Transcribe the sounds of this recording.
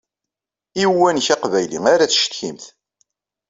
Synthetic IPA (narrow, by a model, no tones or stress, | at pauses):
iwːænçaqvæjlḭŋaɾæt͡sʃt̪çimθ